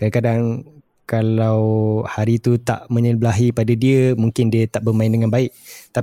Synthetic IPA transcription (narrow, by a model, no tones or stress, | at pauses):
kadakadaŋ | kalawhaɾit̪ut̪a̰ʔmə̃ɲəblaɦipadadiəmuŋkɪndiət̪aʔbərmãɪndəŋanbaɪʔ̚t̪a